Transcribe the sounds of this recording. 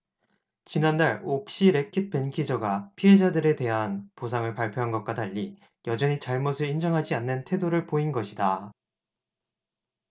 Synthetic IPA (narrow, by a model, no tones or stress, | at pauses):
t͡ɕinandaɭok̚ɕ͈iɾe̞kʰit̚p͈e̞nkʰid͡ʑʌɡapʰiɦe̞d͡ʑadɯɾe̞te̞ɦanposʰaŋɯɭpaɭpʰjoɦanɡʌt̚k͈wataʎːi | jʌd͡ʑʌɲit͡ɕaɭmosʰɯɭind͡ʑʌŋɦad͡ʑianːɯntʰe̞doɾɯɭpoinɡʌɕʰida